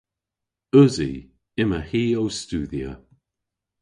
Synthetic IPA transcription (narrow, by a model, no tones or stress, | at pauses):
œzḭ | ɪməhiːowstuːðiə̰